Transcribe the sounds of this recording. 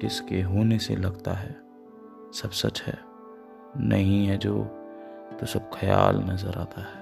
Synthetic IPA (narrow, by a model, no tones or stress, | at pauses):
ɪskeɦoːnesḛlɐɡt̪aɦɛː | sɐbsɐt͡ʃɦɛː | nʔɐɦĩɦɛd͡ʒoː | t̪osɐb̚kʰɐja̰ːlnɐzəɾaːt̪ʰaɦɛː